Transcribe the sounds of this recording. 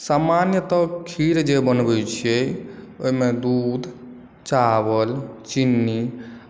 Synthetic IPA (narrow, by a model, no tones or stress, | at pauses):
samanjət̪ɔkʰiɾd͡ʒebənbɛjt͡ʃʰije | oimed̪ud̪ʱ | t͡ʃaβəlt͡ʃinːi